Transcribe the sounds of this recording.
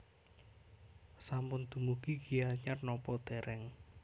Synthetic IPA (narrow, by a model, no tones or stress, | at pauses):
sampʊnd̪̥ṳmuɡ̥iɡ̥iaɲarnɔpɔd̪̥eɾʔɛŋ